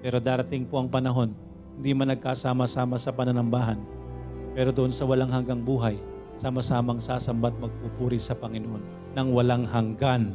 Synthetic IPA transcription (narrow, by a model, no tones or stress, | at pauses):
pɛːɾo̞d̪aːɾɐt̪ɪŋpo̞ʔɐŋpɐnɐɦo̞n | hɪnd̪imɐnːɐɡ̚kasaːmɐsaːmɐsɐpɐnɐnɐmbaːɦɐn | pɛːɾod̪ʊʔo̞nsɐwɐlaŋɦɐŋɡaŋbuːɦɐj | samɐsaːmɐŋsaːsɐmbat̪̚mɐɡ̚pupuːɾɪsɐpɐŋɪnoʔo̞nːɐŋwɐlaŋhɐŋɡan